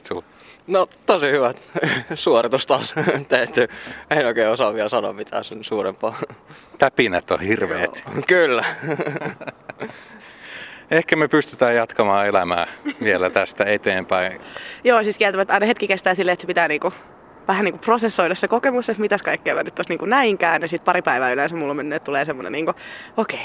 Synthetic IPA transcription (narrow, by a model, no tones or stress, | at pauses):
tu | not̪osihyʋæt̪suorit̪ust̪ɑːst̪æyt̪ːyenoˑikeːosɑʋʋiælsɑno̰mit̪ʰæ̰ːsensuːrempɑːp̪æpinæt̪ːo̰hirʋḛːt̪kylːæ | ehkæmepyst̪yt̪æːjɑt̪kɑmɑːelæmæ̰ːʋielæt̪æst̪æet̪eːmpæijoːjɑsiːt̪kiælt̪æʋæt̪ɑinɑhet̪kikest̪æːsilːeːet̪sepit̪æːniːŋku | ʋæhænniŋkuprosesːoidɑssekokemusːet̪mit̪æskɑikkːæːʋænːyt̪t̪osniːŋkunæiŋkæːnjɑsiːˑt̪̚pɑɾipæiʋæːylensæmulːomenːøːt̪t̪uleːsemːonḛniːŋkuokei